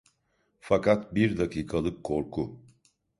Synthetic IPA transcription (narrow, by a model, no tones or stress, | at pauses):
fakat̪biɾd̪akʰiːkʰalˠɯkʰːo̞ɾkʰu